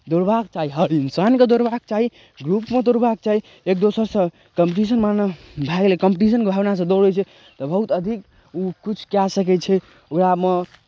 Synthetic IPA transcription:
d̪oɽbakt͡ʃaɦiɦəɾinsanked̪oɾbakt͡ʃaɦi | ɡɾupmed̪oɾbak̚t͡ʃaɦi | ekd̪osəɾsə̃ | kəmpiʈis̬ənmanbʱaɡelekəmpʈis̬ənkebʱabnas̬ə̃d̪oɽɛt͡ʃʰɛ | t̪ɔbəɦut̪əd̪ʱik | ukit͡ʃʰkjasək̬ɛt͡ʃʰɛ | okɾamə

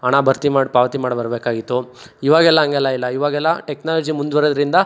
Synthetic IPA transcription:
ɐɳabɐɾt̪imaːɽpaːʋɐt̪imaːɽbɐɾbeːkaːɡit̪ːuiʋaːɡɛlːɐɦɐŋɡɛlːɐilːɐiʋaːɡɛlːɐʈeknaːlɐd͡ʒimund̪uʋɐɾod̪ɐɾind̪ɐ

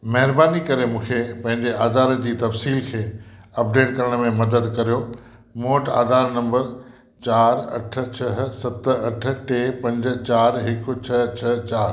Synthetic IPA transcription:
mɐɦɪɾbaːnikɐɾemũːkʰepɐ̃ɦɪ̃ɲd͡ʑeʔaːd̪aːɾəd͡ʑiːt̪ɐfsiːlkʰeːɐp̚ɖeːʈkɐɾəɽ̃mẽmɐd̪əd̪kɐɾijo | moːʈa̰ːd̪ʱaːɾnɐ̃mbəɾ | t͡ɕaːɾɐ̰ʈʰə̆t͡ɕʰɐɦsɐt̪ɐʈ̆ʰʈeːpɐ̃ɲd͡ʑ̆t͡ɕaːɾɦɪkʊ̆t͡ɕʰɐt͡ɕʰɐt͡ɕaːɾ

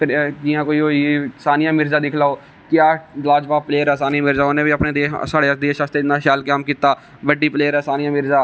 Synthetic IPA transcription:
ɾd͡ʒijãːkoːiːoːsaːnijãːmɪɾzaːd̪ɪkʰlaːoː | kjaːd͡ʒlaːd͡ʒbaːpleːəɾɛːsaːniãːmɪɾzaːonẽːbiəpneːd̪eːsaːɽeːəd̪eːʃaːst̪enaːʃaːlkaːmkiːt̪aː | ʋəɖiːpleːəɾɛːsaːnɪjãːmɪɾzaː

